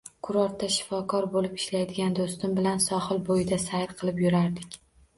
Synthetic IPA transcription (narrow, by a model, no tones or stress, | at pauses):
kʰʊɾɒɾt̪ʰːaʃɪ̥fɒkʰɒɾbolɪpɪ̥ʃlajd̪ɪɡʲand̪ost̪ɪmbɪlansɒhɨlˠbojɪd̪asajɾqʰɨlˠɪpjʊɾaɾd̪ɪkʲ